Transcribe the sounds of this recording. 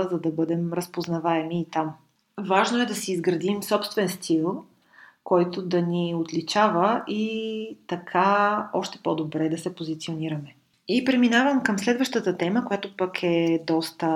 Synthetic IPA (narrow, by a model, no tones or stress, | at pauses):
zɐd̪ɐbɤd̪ɛmɾəspoznɐvaɛmiːt̪am | vaʒnoɛd̪ɐsiːzɡɾɐd̪imsɔpst̪vɛnst̪ʰilˠ | kɔjt̪od̪ɐniot̪lit͡ʃavəʔit̪ɐkʰaɔʃt̪ɛ̥pɔd̪obɾɛd̪ɐsɛpozit̪sioniɾɐmɛ | ipɾɛminavəmkəmslɛd̪vəʃt̪ət̪ət̪ɛməkojat̪ʊpəkʰɛd̪ɔst̪ə